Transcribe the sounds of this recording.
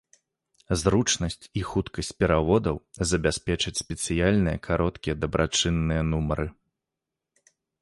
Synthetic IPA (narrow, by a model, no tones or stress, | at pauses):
zɾut͡ʂnɐsʲt͡sʲixut̪kɐsʲt͡sʲpʲɛɾavɔd̪ɐwzɐbʲasʲpʲɛt͡ʂɐt͡sʲsʲpʲɛt̪sɨjalʲnɨjɛkʰaɾɔt̪kʲijɛd̪ɐbɾʔat͡ʂɨnːɨjɐnumɐɾɨ